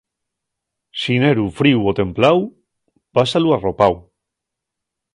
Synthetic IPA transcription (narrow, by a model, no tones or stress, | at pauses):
sineɾufɾiwot̪e̞mplaw | pasaluaro̞paw